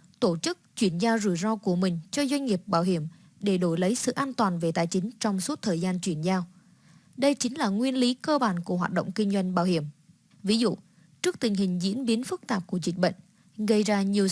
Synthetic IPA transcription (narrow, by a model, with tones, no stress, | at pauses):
t̪o˧˩t͡ɕɨ˦˥k̚t͡ɕwi˧˩ənzaː˧wzɨ˧˩jzɔ˧ku˧˩əmï˨˩ŋ̟t͡ɕɔ˧zwa˧jŋ̟ŋi˨˩əp̚ɓaː˧˩wɦi˧˩əm | ɗe˧˩ɗo˧˩jlə˨˦jsɨ̰˧˨ʔaː˧nt̪waː˨˩nve˨˩t̪aː˨˩jt͡ɕï˨˦ŋ̟t͡ɕɔ˧wŋ͡msu˦˥t̚t̪ʰəː˨˩jzaː˧nt͡ɕwi˧˩ənzaː˧w | ɗə˧jt͡ɕï˨˦ŋ̟laː˨˩ŋwi˧ənli˨˦kəː˧ɓaː˧˩nku˧˩əɦwaː˨t̚ɗo̰˧˨wŋ͡mkï˧ŋ̟zwa˧jŋ̟ɓaː˧˩whi˧˩əm | vi˨˦zṵ˧˨ | t͡ɕɨ˦˥k̚t̪ï˨˩ŋ̟ɦï˨˩ŋ̟zḭ˧˥ənɓi˨˦nfɨ˦˥k̚t̪aː˨˩p̚ku˧˩əzï˨˩k̚ɓə̰˧˨jŋ̟ | ɣə˧jzaː˧ɲi˨˩əw